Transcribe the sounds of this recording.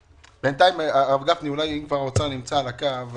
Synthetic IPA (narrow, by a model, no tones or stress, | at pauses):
b̥ent̪aimaavɡafniulajimkvaʁot͡sanimt͡salakav